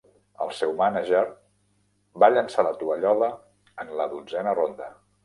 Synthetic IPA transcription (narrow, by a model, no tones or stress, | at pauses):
ə̰lˠsɛwmanəʒəɾ | baʎənsalət̪uβəʎɔðəː | nləðud͡zɛnərond̪ə